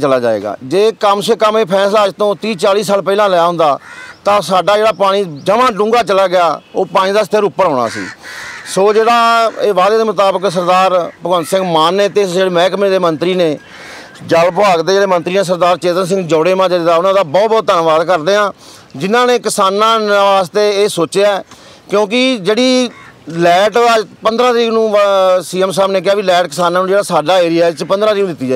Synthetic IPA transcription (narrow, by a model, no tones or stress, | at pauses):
t͡ʃəlaːd͡ʒa̰ːḛːɡa̰ːd͡ʒeːkəmsekəmeːpʰɛːslaːəd͡ʒt̪õːt̪iːt͡ʃaːliːsaːlpəiːlãːləjaːɦʊ̃nd̪aːt̪ãːsaːɖaːd͡ʒeːɽaːpaːɽ̃iːd͡ʒəʋãːɖʊ̃ːŋɡaːt͡ʃəlaːɡɪjaːoːpaːɽ̃ĩːd̪aːst̪ʰəɾʊpːəɾɦɔːɽ̃a̰ːsḭːsoːd͡ʒeːɽaːeːʋaːd̪eːd̪eːmʊt̪aːbəks̬əɾd̪aːɾpəɡənsɪ̃ŋɡmaːnːeːt̪eːd͡ʒeːɽeːmɛ̃ːkmẽːd̪eːmənt̪ɾiːneː | d͡ʒəlpaːkd̪eːd͡ʒeːɽeːmə̃nt̪ɾiːneːs̬əɾd̪aːɾt͡ʃeːt̪əns̬ɪ̃ŋɡd͡ʒɔːɽeːmãːd͡ʒeːɽeːd̪aːonãːd̪aːbɔːt̪̚bɔːt̪̚ːənʋaːd̪kəɾd̪eːɦãː | d͡ʒɪnãːneːkɪsaːnãːaːst̪eːeːsoːt͡ʃeaɛ | kjõːkɪd͡ʒeːɽiːlɛːʈːd̪aːpənd̪ɾãːt̪ɾiːknũːsiːəmsaːbneːk̬ɪjaːʋiːlɛːʈkɪsaːnãːnũːd͡ʒeːɽaːsaːɖaːeːɾɪjat͡ʃpənd̪ɾãːt̪ɾiknũːd̪ɪt̪ːiːd͡ʒaː